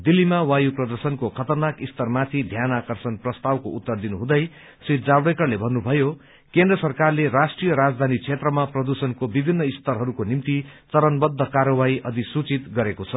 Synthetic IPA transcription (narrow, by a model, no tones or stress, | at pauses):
d̪ilːimawajuprʌd̪ʌrsʌnkokʰʌt̪ʌrnakist̪ʌrmat̪ʰid̪ʱjanakʌrsʌnprʌst̪awko̰ut̪ːʌrd̪inuɦũd̪ʌj | sit̪d͡zabɽekʌrlebʱʌnːubʱʌjo | kend̪rʌsʌrkarleɾasʈrijʌɾad͡zd̪ʱanit͡sʰet̪rʌmaprʌd̪usʌnkobibʱinːʌist̪ʌɾɦʌɾukonimt̪it͡sʌɾʌnbʌd̪ʱːʌkaɾʌwaiʔʌd̪isut͡sit̪ɡʌɾekot͡sʰʌ